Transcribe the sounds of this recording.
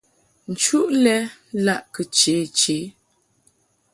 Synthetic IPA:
n̩˨t͡ʃu˦ʔlɛ˦la˦ʔkə˨t͡ʃe˨˦˨t͡ʃe˨˦

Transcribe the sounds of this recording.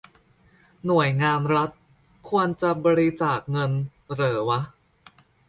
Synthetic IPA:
nu˨˩əjŋaː˧nɾa˦˥t̪̚ | kʰu˧ənt͡ɕa˧bɔː˧ɾi˧t͡ɕaː˨˩k̚ŋɤ˧nɾɤː˩˦wa˦˥ʔ

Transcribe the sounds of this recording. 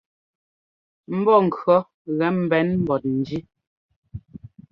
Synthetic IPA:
m̩˦bɔ˦˨ŋ̩˨kɰɔ˦ | ɣɛ˨˦m̩˨bɛ˨˦nm̩˨bɔ˨t̚n̩˨d͡ʒi˦

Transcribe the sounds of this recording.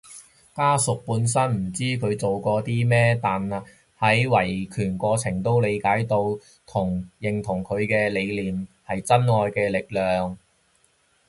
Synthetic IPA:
kaː˥sʊ˨k̚puː˧ns̬ɐ˥nm̩˨˩t͡siː˥kʰɵ˨˧ɥt͡so˨wkɔː˧t̪iː˥mɛː˥t̪aː˨nɐ˨ | hɐ˨˥jwɐ˨˩jkʰyː˨˩nkɔː˧t͡sʰɪ˨˩ŋt̪o˥wle˨˧jkaː˨˥jt̪o˧w | t̪ʰʊ˨˩ŋjɪ˨˩ŋt̪ʰʊ˨˩ŋkʰɵ˨˧ɥkɛː˧le˨˧jliː˨˩mhɐ˨jt͡sɐ˥nŋɔː˨˧jkɛː˧lɪ˨k̚lœː˨ŋ

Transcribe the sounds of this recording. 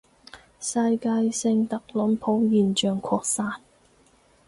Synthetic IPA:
sɐ˧jkaː˧jsɪ˧ŋt̪ɐ˨k̚lʊ˨˥npʰo˨˥wjiː˨nt͡ʃœː˨ŋkʰɔː˧k̚saː˧n

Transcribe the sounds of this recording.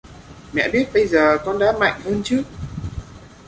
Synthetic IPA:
mɛ̰˧˨ɓi˦˥ət̚ɓə˧jzəː˨˩kɔ˧nɗa̰ː˧˥ma̰˧˨jŋ̟həː˧nt͡ɕɨ˦˥ək̚

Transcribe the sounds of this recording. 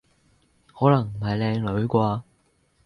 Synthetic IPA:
hɔː˨˥lɐ˨˩ŋm̩˨˩hɐ˨jlɛː˧ŋlɵ˨˥ɥkʷaː˧

